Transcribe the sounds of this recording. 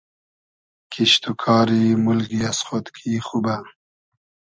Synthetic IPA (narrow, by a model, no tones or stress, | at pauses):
kʰiʃt̪ukʰɑːɾimʊlɡiasχot̪kʰixuba